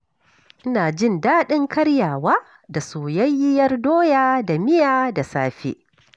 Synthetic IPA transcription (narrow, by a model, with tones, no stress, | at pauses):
ʔɪ˦naː˨d͡ʒɪ˦˨ndaː˦ɗɪ˦ŋkɐ˦ɽjaː˨waː˦ | da˨soː˨jɐ˦jːɪ˦jɐ˦rdoː˦jaː˦da˨mɪ˦jaː˨da˨saː˦ɸḛ˦ʔ